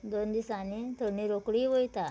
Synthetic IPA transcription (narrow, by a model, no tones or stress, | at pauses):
d̪ond̪isanit̪oniɾokɽiːʋojt̪a